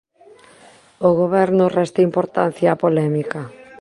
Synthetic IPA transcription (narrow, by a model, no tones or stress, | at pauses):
oɣoβɛɾnʊrɛst̪eimpoɾt̪an̟θjaːpolɛmika